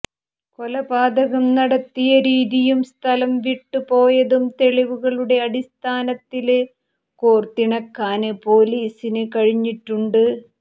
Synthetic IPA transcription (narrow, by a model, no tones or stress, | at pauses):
ko̞lɐbaːd̪ɐɣɐmnɐɽɐt̪ːijɐɾiːðijumst̪ʰɐlɐmʋiʈːupo̞ːjɐðumt̪e̞ɭiʋuɣɐɭuɽe̞ɐɽist̪ʰaːnɐt̪ːil | koːrt̪ːiɳɐkːaːnɨpo̞ːliːsinɨkɐɻiɲːiʈːuɳɖɨ